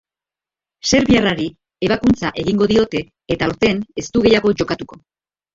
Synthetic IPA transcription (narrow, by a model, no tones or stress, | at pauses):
se̞ɾβiaraɾi | e̞βakunt͡saʔe̞ɣiŋɡo̞ðio̞t̪e̞ː | t̪auɾt̪e̞ne̞st̪uɣe̞jaɣ̞o̞ʝo̞kat̪uko̞